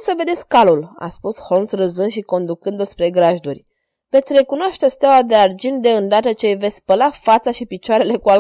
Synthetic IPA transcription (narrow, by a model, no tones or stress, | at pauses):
səve̞d̪e̞tsʲkkalula̰spusho̞lmsrəzɨnʃiko̞nd̪ukɨnd̪ospɾe̞ɡɾaʒd̪urʲ | ve̞t̪sʲɾe̞kunoaʃt̪est̪eawad̪e̞ard͡ʒint̪d̪e̞ɨnd̪at̪ət͡ʃe̞jvesʲsʲpəlafat̪saʃipit͡ʃoaɾe̞le̞kual